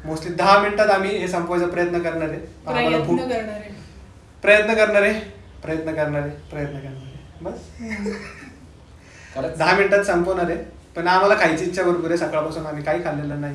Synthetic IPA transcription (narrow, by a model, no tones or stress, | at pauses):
mostiːd̪əɦaminʈat̪am̤iːɦesəmpojt͡səpɾəjət̪nəkəɾɳaɾepənam̤alabʱuəɾɳaɾe | pɾəjət̪nəkəɾɳaɾe | pɾəjət̪nəkəɾɳaɾepɾəjət̪nəkəɾɳaɾebəs | d̪əɦaminʈat̪səmponaɾe | pəɳam̤alakʰajt͡siɲt͡ɕjaʋəɾpuɾesəkɭapasuːnam̤iːkaiːkʰalːelənaɦi